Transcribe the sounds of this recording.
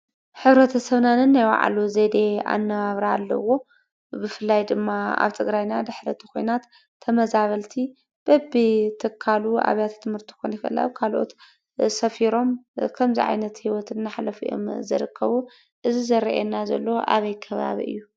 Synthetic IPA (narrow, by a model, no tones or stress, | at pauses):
ħɨβɾɐt̪ʰɐsɐβnanɨnːajwa̰ʕa̰luzed̪e̞a̰nːɐβaβɾaːlːɐ̰wo̞ | bɨfɨlːajd̪ɨmːaa̰βt̪ʰɨɡɾajnad̪ɨħɾɐt̪ʰi̥ko̞jnat̪ʰː | ɐmɐzaβɐlt̪ʰi | b̥ɐbːit̪ʰɨkʰːaluʔa̰βjat̪t̪ʰːɨmhɨɾt̪ʰi̥konkɨʔɨla̰kʰalʔo̰t̪ | sɐfiɾo̞mkʰɐmzḭʕa̰jnɐt̪hiwɔt̪ʰɨnːaħlɐfuʔo̞̰mzɐɾɨkːɐβu | ʔɨzizɐɾɐ̰ʔenːazɐ̰lːoʔa̰βɐjkʰɐβa̰βḭʔɨ̰jːu